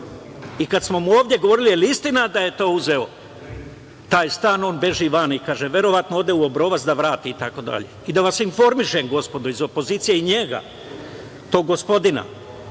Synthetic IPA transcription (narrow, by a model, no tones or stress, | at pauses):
ikad̪smo̞muoːvd̪je̞ɡoʋo̞ɾilielist̪inad̪aje̞t̪o̞ːuze̞o̞ | t̪aːjst̪aːno̞ːnbe̞ʒiʋanikaːʒeʋje̞ɾo̞ʋat̪nooːd̪e̞uo̞bɾo̞ʋazd̪aʋɾaːt̪iːt̪ako̞d̪a̰ʎe̞̰id̪aʋasinfo̞ɾmiʃemɡo̞spo̞d̪oizo̞po̞ziːt̪sijeiɲe̞ɡa̰ | t̪o̞ːɡo̞spo̞d̪ina̰